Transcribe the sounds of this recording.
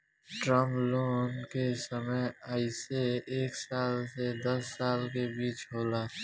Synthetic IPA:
ʈɾəmloːnkesəməjaːɪseeːksaːlsed̪ɐsːaːlkebiːt͡ʃɦoːlaː

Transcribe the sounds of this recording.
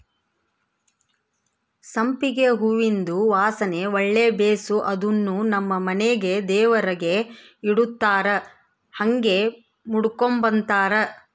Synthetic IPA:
sɐmpiɡeɦuʋind̪uʋaːsɐne̞ɔɭːebeːsuʔɐd̪unːunɐmːɐmɐneɡe̞d̪ɛːʋɐɾɐɡe̞ | iɽut̪ːaːɾɐ | hɐŋɡe̞ | muɽukombɐnt̪aːɾɐ

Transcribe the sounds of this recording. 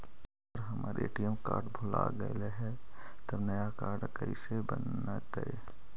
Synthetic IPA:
əɾɦəmaːɾʔeʈijəmkaːɾʈbʱʊla̰ɡəeleɦɛ | t̪əbnəjakaːɾɖkəisebənːat̪əe

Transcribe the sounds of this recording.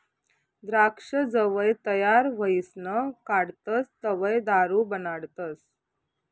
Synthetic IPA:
d̪ɾakʂəd͡zəʋəjt̪əjaɾʋəisnəkaɽt̪əst̪əʋəjd̪aɾubənaɽt̪əs

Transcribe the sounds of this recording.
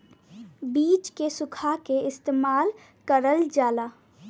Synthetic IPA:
biːt͡ʃkesʊkʰakeɪst̪eːmaːl | kəɾəld͡ʒaːlaː

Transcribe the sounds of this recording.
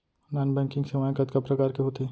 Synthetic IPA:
naːnbɛ̃ːŋkɪ̃ŋɡsemãẽkɐt̪kɐpɾɐkaːɾkeɦoːt̪eː

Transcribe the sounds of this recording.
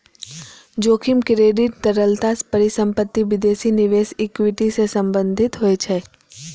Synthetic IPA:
d͡ʒoːkʰimkɾeːɖɪʈ̚d̪əɾəlt̪aspəɾɪsə̃mpət̪ːiʋɪd̪eːsinɪʋeːsekʋiʈisesəmbə̃nd̪ʱɪt̪ɦoet͡ʃʰɛ

